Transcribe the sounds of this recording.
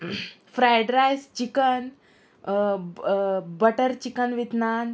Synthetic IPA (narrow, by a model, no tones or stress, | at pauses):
fɾajɖɾajst͡ɕikən | bəʈəɾt͡ɕikənʋit̪nan